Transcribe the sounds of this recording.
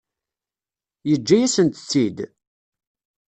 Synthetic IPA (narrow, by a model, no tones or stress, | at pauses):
jəd͡ʒːæjæsənt̪ət͡sːid̪